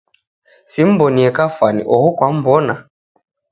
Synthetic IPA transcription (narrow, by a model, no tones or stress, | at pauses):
sim̩bɔniɛkafwanḭʔɔhukwam̩bɔna